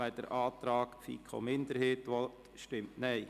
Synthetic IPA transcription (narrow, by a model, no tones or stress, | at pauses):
æɪd̥ə̰ɾʔɑːt̪ɾɑːɡ̥fḭːkʰχo̰mɪndəɾheːtʋɔtʃtɪmtnɛɪ